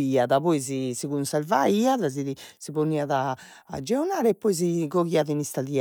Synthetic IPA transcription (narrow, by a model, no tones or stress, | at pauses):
iːaðaβoizisiɣunsɛɾvaiːaðaziðisiβoniːaðaː | d͡ʒːɛɔnaːɾɛpːɔizikoɣiavinist̪aðia